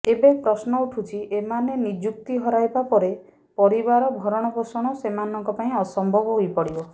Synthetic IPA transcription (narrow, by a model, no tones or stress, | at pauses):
ebepɾɔsnɔuʈʰut͡ʃʰiʔemanenid͡ʒuk̚t̪iɦɔɾajbapɔɾe | pɔɾibaɾɔbʱɔɾɔɽ̃ɔbosɔɽ̃ɔsemanɔŋkɔpaĩɔsɔmbʱɔbɔɦojpɔɽibɔ